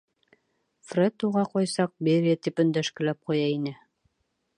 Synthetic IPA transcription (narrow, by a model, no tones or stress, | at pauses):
frʲet̪uʁɑqɑjsɑq̚beɾʲiat̪ipɵ̆nd̪æʃkɘ̆læp̚qujɑinɘ